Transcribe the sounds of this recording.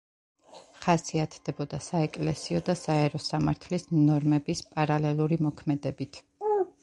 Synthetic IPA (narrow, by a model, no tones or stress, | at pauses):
χasiat̪ʰd̪̥ɛbɔd̪asaɛkʼlɛsiɔd̪asaɛɾɔsamaɾt̪ʰlisnɔɾmɛbispʼaɾalɛlˠuɾimɔkʰmɛd̪ɛbit̪ʰ